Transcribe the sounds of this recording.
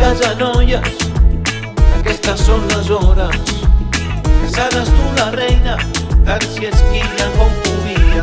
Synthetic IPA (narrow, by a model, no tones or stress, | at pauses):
azanɔjas | akɛst̪asːonlazɔɾas | kesaɾast̪ularɛjnat̪ansieskiʎakomt̪uβiða